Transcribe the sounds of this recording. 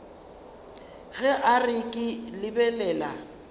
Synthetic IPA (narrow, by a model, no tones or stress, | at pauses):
ɣɛʔarɪkʼɪlɪbɛlɛːla